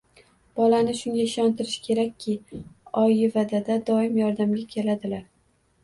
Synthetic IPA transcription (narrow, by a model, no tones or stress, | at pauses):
b̥ɒlanɪʃʊŋɡʲaɪʃɒnt̪ʰɪɾɪʃkʲʰe̞ɾakʲʰːɪɒjɪvad̪ad̪ad̪ɒɪmjɒɾd̪amɡʲakʲʰe̞lad̪ɪlaɾ